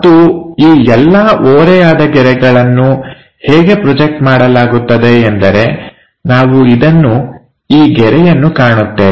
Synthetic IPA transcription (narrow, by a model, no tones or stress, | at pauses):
ɐt̪ːuiːɛlːɐʔoːɾɛjaːd̪ɐɡɛɾɛɡɐɭɐnːu | heːɡe̞pɾɔd͡ʒek̚ʈmaːɽɐlaːɡut̪ːɐd̪e̞ːnd̪ɐɾe̞ | naːʋuid̪ɐnːu | iːɡɛɾɛjɐnːukaːɳut̪ːeː